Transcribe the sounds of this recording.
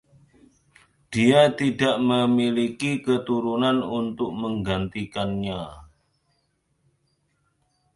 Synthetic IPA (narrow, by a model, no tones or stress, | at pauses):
d̥iat̪idaʔməmilikikət̪uɾunanunt̪ʊk̚məŋɡant̪ikanɲa